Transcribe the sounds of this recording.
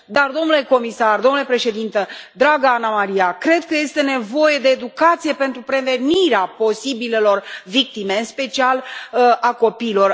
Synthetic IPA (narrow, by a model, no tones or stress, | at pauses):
d̪ard̪o̞mnule̞ko̞misard̪o̞mnule̞pɾe̞ʃe̞d̪int̪əd̪ɾaɡaanamaɾijakɾe̞d̪̚kəje̞st̪e̞ne̞vo̞je̞d̪e̞ːd̪ukat̪sije̞pe̞nt̪ɾupɾe̞ve̞niɾeapo̞sibile̞lo̞rvik̚t̪ime̞ɨnspe̞t͡ʃialʔako̞piːlo̞r